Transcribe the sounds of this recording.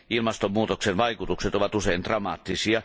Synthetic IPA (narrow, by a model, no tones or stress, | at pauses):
ilmɑst̪ommuːt̪oksenʋɑikut̪ukset̪oʋɑt̪useint̪rɑmɑ̰ːt̪ːisiɑ